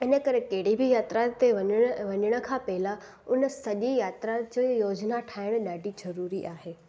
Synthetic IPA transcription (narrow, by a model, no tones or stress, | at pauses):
ɪnə̆kɐɾekɐɦɪɽ̤ibʱɪjaːt̪ɾat̪eʋɐʋɐɲəɽ̃ə̆kʰãːpɐɦɪla | ʊnəsɐʄijaːt̪ɾad͡ʑəjoːd͡ʑnaʈʰaːɪɽ̃ɗaːɖʱizɐɾuːɾiʔaːɦeː